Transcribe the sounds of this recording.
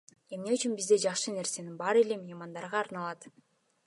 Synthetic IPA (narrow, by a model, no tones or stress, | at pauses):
e̞mne̞yt͡ʃynbizd̪e̞d͡ʒɑχʃɯne̞ɾse̞ninbɑɾe̞le̞mimɑnd̪ɑɾʁɑːɾnɑlˠɑt̪